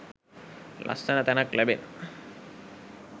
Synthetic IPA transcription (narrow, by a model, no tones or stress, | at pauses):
lʔa̰stanat̪ɛnaklɛbḛn